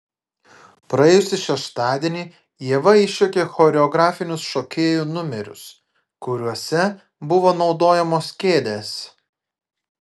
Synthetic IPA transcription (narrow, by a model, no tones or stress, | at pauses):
pɾɐɛːjʊsʲɪʃʲɛʃt̪ɑːd̪ʲieːnʲiː | jiɛʋɐɪʃʲokʲeːxɔːɾʲɛɔɡɾɑːfʲɪnʲʊsʃɔkʲeːjuːnʊmʲɛɾʲʊ̰s | kʊɾʲuɔsʲɛ | bʊʋoːnɒʊd̪oːjɛmoːskʲeːd̪ʲeːs